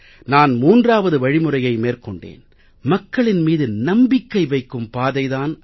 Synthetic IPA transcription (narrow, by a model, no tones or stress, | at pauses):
naːnmuːndraːʋɐðɯʋɐɻɪmɯrɐjɐɪmeːrkɔɳɖḛːn | mɐkːɐɭɪnmiːðɯnɐmbɪkːɐɪʋɐɪkːɯmpaːðɐɪðaːn